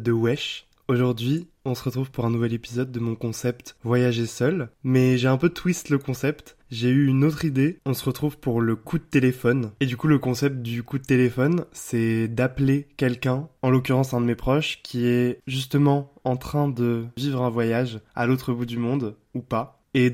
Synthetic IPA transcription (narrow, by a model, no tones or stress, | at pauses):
d̪əwɛʃ | oʒuʁd̪ɥi | ɔ̃səʁət̪χuvpuʁɛ̃nuvɛlepizɔd̪ːəmɔ̃kɔ̃sɛpt̪vwajaʒesœlmɛʒeɛ̃pøt̪wist̪ləkɔ̃sɛpt̪ | ʒeyynot̪χid̪eɔ̃səʁət̪χuvpuʁləkʰud̪ət̪elefɔned̪ykuləkɔ̃sɛp̚t̪̚d̪ykud̪ət̪elefɔnsɛd̪aplekʲɛlkʲɛ̃ɑ̃lok̬ʲyʁɑ̃sɛ̃d̪əmepχɔʃkʲʰiɛʒys̬t̪əmɑ̃ɑ̃t̪χɛ̃d̪əvivʁɛ̃vwajaʒa̰lot̪χəbud̪ymɔ̃d̪ | upa | e